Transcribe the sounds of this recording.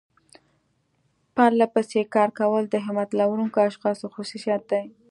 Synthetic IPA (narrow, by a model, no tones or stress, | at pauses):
paɾlapəsekɑɾkawəld̪əɦɪmat̪lawɾuŋkoaʃxɑsoxosusat̪̚d̪aj